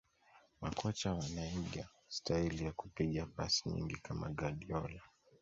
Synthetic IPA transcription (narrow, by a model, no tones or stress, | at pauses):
makɔt͡ʃawanaiɠa | stahilijakupiɠapa̰siɲḭŋɡikama̰ɠaɗiɔla